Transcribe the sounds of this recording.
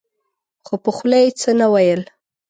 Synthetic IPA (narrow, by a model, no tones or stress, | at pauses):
xopəxlajt͡sənawajəl